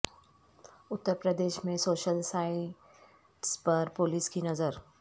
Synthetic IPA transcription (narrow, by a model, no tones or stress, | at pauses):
ʊt̪ːəɾpɾəd̪eːʃmẽsoːʃəlsaːɪ | ʈspɐɾpoːliskinɐzəɾ